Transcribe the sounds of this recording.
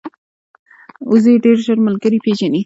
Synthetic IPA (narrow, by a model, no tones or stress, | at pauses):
uzeɖeɾʒəɾməlɡəɾipʰed͡ʒani